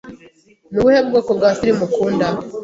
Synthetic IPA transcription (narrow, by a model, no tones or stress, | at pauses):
nuβuhebɡoːkobɡaːfiɾimukuːnda